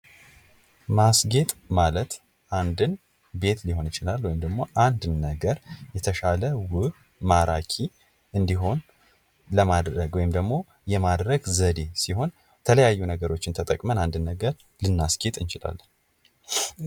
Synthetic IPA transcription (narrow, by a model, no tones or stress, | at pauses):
masɡe̞t̪ʼmalət̪ | ʔand̪ɨn | be̞t̪liɦo̞nt͡ʃʼɪlalwɔjɪmd̪əɡmo̞ʔand̪ːəɡəɾjɛt̪ʰəʃaləwɨ | maɾakʰi | ɨnd̪iɦo̞n | ləmad̪ɾəɡwɔjɪmd̪əɡmo̞ | jɛmad̪ɾəɡzəd̪e̞siho̞n | t̪ʰələjajːunəɡəɾo̞t͡ʃːɪnt̪ʰət̪ʼəkʼmənand̪ɨnːəɡəɾ | lɨnːasɡe̞t̪ʼɨnt͡ʃɪla̰lː